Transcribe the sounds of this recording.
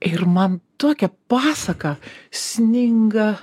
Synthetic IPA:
ɪrmɐnt̪uɔkʲɛpɑːsɐkɐsʲnʲɪŋɡɐ

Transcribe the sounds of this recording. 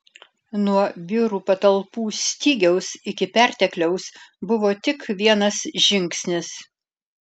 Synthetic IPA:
nuɔʋʲɪɾuːpɐt̪ɐlˠpuːsʲt̪ʲiːɡʲɛʊsɪkʲɪpʲæɾʲt̪ʲɛklʲɛʊsbʊʋoːt̪ʲɪkʋʲiɛnɐsʒʲɪŋʲksʲnʲɪs

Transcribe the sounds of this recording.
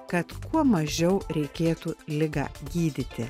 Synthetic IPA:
kɐt̪kuɔmɐʒʲɛʊɾʲɛɪkʲeːt̪ulʲɪɡɑ̰ːɡʲiːd̪ʲɪt̪ʲɪ

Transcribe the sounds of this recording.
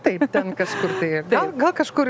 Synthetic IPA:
t̪ɐɪp̚t̪ʲɛnkɐʃkʊrt̪ɐɪɡ̪ɐɪllˠɡɐlˠkɐʃkʊɾ

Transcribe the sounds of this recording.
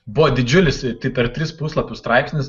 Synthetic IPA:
bʊʋɔd̪ʲɪd͡ʒʲʊlʲɪst̪ɐɪpʲɛɾt̪ʲɾʲɪspuːslˠɐpʲʊst̪ɾɑɪpsʲnʲɪs

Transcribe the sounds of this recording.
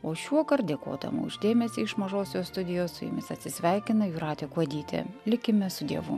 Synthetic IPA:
oːʃʲuɔkɐɾt̪̚d̪ʲeɛko̰ːd̪ɐ̰mṵːɪ̰ʒd̪ʲeːmʲɛsʲiːɪʃmɐʒoːsʲoːst̪ʊd̪ʲɪjoːsʊ̰jʊ̰mʲɪsɐt̪ʲsʲɪsʲʋʲɛɪkʲɪnɐjuːɾɑːt̪ʲekʋɐd̪ʲiːt̪ʲḛlʲɪkʲɪmʲɛsʊd̪ʲiɛʋʊ

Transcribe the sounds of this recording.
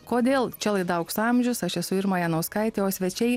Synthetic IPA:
koːd̪ʲeːlˠt͡ʃʲɛlˠɐɪd̪ɐʊksɐmʲʒʲʊsɐʃɛsʊɪɾmɑːjɛnɐʊskɐɪt̪ʲeoːsʲʋʲɛt͡ʃʲɛɪ

